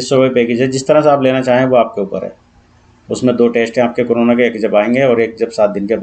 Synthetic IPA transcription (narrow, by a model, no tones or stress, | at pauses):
ɪsoʋoipeːkɪd͡ʒɛd͡ʒɪst̪ɐɾãseaːpleːnat͡ʃaːɦẽẽʋoaːp̚keuːpə̰ɾɦɛ̰ː | ʊsmẽd̪oːʈeːsʈẽaːp̚kekoːɾoːnakeeːkd͡ʒɐbaːẽːŋɡeɔːɾeːk̚d͡ʒɐbsaːt̪̚d̪ɪnkebaː